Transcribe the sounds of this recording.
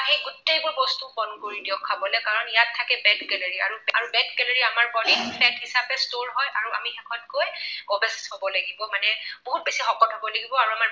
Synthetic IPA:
ɦeɡʊtejbʊɹbɔstubɔnkoɹidiɔkʰːabɔlɛkaɹɔnijatʰːakɛbɛdɡɛleɹia̰ɹuaɹubɛdɡɛlaɹiamaɹbɔliŋpʰlɛthisapɛstoɹɦɔjʔaɹuʔa̰mixɛkʰɔnkojɔbɛsshɔbɔlaɡibɔmanɛboɦut̚besixɔkɔtʰɔbɔlaɡibɔaɹuama

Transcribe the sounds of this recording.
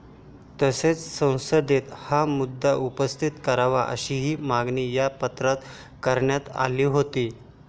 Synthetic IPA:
t̪əset͡ssə̃w̃səd̪ʱet̪hamud̪ːaʔupəst̪ʰit̪kəɾaʋaʔə̰ɕiɦiːmaɡnijapət̪ɾat̪ | kəɾɳjat̪a̰liːɦot̪iː

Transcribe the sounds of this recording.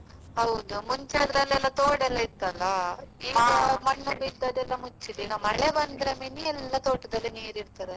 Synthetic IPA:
ɦɐwd̪umuɲt͡ʃɐɽd̪ɐlːɛlːɐt̪oːɽɛlːɐit̪ːɐlːɐimɐɳːubid̪ːɐd̪ɛlːɐmut͡ʃːid̪inɐmɐɭebɐnd̪ɾeminiɛlːɐt̪oːʈɐd̪ɐlːiniːɾiɾt̪ɐɾe

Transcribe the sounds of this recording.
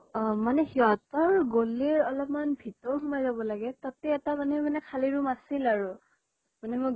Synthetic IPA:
manɛhiɔtɔɹɡoliɹɔlɔp̚manbʱitɔɹɦumajzabɔlaɡɛtatɛːtamanɛmanɛkʰaliɹumasilaɹu | manɛmʊ

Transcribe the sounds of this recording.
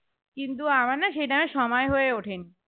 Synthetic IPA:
kint̪̬uamaɾnaʃejʈameʃɔmɔeɦoeoʈʰen

